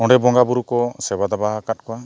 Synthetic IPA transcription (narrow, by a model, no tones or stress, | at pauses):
ɔ̃ɳɖɛbɔŋɡabuɾukɔsɛbad̪abaɦakat̚kɔwa